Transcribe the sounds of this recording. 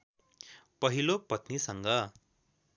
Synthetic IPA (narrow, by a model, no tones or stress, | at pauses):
pʌɦilopʌt̪nisʌŋɡʌ